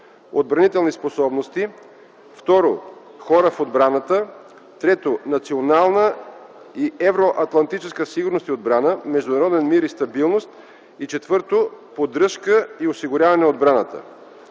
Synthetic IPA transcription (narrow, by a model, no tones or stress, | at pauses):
od̪̚bɾɐnit̪ɛlˠnisposɔbnost̪i | ft̪ɔɾo | xɔɾəfod̪bɾanət̪ə | t̪ɾɛt̪onɐt̪sionalˠnə | iɛvɾoʔɐt̪lˠɐnt̪it͡ʃɛskəsiɡʊɾnost̪iod̪bɾanəmɛʒd̪ʊnɐɾɔd̪ɛnmiɾist̪ɐbilˠnost̪ | it͡ʃɛt̪vɤɾt̪opod̪ɾɤʃkəiosiɡʊɾʲjavɐnɛod̪̚bɾanət̪ə̰